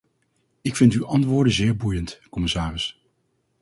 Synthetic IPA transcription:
ɪkfɪntyʔɑntʋʊːɹdənzɪːɹbujəntkɔmɪsaːrɪs

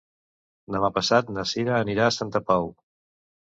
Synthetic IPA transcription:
d̪əmapəsat̪nəsiɾəːniɾaːsant̪əpaw

